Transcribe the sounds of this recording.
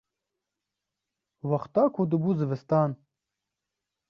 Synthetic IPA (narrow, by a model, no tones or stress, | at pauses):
wɐxt̪aːkʰod̪ɨbuːzɨvɨst̪aːn